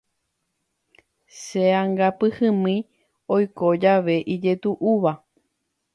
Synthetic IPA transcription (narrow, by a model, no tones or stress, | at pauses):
ʃeãŋɡapɨhɨ̃mĩ | ojko̞d͡ʒaʋe̞ʔid͡ʒe̞t̪uʔuʋa